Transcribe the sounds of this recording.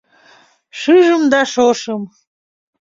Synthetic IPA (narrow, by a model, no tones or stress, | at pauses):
ʂɨʒɨmd̪aʂoʂɨm